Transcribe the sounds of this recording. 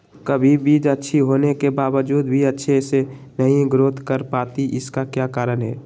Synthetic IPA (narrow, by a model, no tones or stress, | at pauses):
kəbʱibʱiːd͡ʒətːʃʰiɦoːnekebaːʋəd͡ʒuːd̪bʱiətːʃʰese | nəɦĩɡɾoːt̪kəɾpaːt̪iʔɪskakjakaːɾənɦɛː